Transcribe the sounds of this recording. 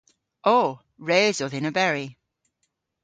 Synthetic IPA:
ʔoʊ | ɹeɪzəðɪ̃nəbɛɹi

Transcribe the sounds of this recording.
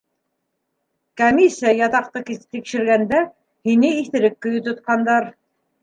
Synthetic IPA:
komʲisijajɑt̪ɑq̚t̪ɤkit̪ikʃɘ̆ɾɡænd̪æ | hinɘiθɘ̆ɾɘkːɵ̆jɘt̪ŏt̪̚qɑnd̪ɑɾ

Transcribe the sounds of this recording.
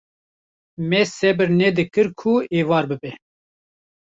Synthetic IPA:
mɛsɛbɨɾnɛd̪ɨkɨɾkʰueːvɑːɾbɨbɛ

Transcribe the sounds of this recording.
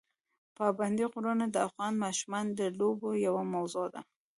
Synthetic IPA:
pɑband̪iqoɾanad̪əafɣɑnmaʃmand̪əlobojawamawzod̪a̰

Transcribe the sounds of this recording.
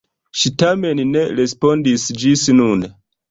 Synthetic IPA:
ʃitamenneɾespo̞ndisd͡ʒisnun

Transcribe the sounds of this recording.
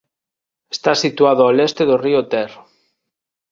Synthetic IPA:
est̪asit̪waðoalest̪eðoriot̪ɛr

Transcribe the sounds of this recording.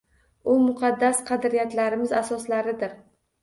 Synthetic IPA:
ʊmʊqʰɑd̪ːasqʰɑd̪ɾijat̪laɾɪmɪzasɒslaɾɪd̪ɪɾ

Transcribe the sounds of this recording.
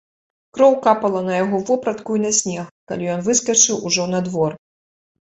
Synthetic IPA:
kɾɔwkapɐlˠɐnɐjaɣɔvɔpɾɐt̪kujnɐsʲnʲɛxka̰lʲijɔnvɨskɐt͡ʂɨwʔuʐɔnɐd̪vɔr

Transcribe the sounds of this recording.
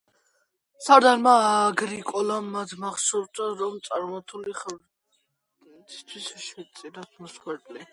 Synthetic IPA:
saɾd̪aɾmaːɡɾikʼɔlamːad̪ʰmaχsɔɾt̪aɾɔmt̪sʼaɾmat̪ʰuliχɛ | t̪ʰi̥st̪ʰwisʃɛt̪sʼiɾat̪ʰmɔsχwɛɾd̪ʼli

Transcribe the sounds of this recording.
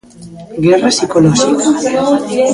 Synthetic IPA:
ɡɛrasikolɔxika

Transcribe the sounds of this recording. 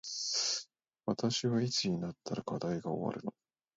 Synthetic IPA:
βat̪aɕiβait͡sɨɲ̟inat̪ːaɾakad̪aiɡao̞̰βa̰ɾɯ̟no

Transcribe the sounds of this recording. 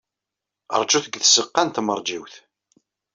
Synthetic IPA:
ə̰ɾˤd͡ʒuθəɡθəsəqːant̪məɾˤd͡ʒiwθ

